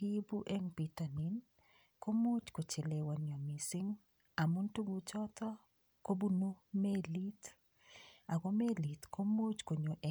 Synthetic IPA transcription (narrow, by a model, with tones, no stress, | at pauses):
i˦bu˦ʔe˦ŋpi˨ta˨ni˨n | ko˦mo˦t͡ʃko˨t͡ʃe˨le˨wa˨ɲɔ˨mi˨sɪ˦ŋ | a˨mu˦ntu˦ɡu˨t͡ʃɔ˦t̪ɔ˦ | ko˦bu˦no˦me˦li˦t | a˨ɡo˦me˦li˨t̪ko˦mo˦t͡ʃko˨ɲo˨ʔɛ˨